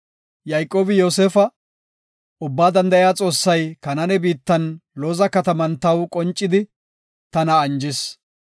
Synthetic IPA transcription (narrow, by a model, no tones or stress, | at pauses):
jɐjkʼːo̞ːbɪjo̞ːseːfɐ | ʔʊbːaːd̪ɐnd̪ɐjaːt͡sʼo̞ːsːɐjkɐnɐnɛbiːt̪ːɐnloːzɐkɐt̪ɐmɐnt̪ɐwkʼɔnt͡ʃʼːɪd̪ɪ | t̪ɐnɐːnd͡ʒɪs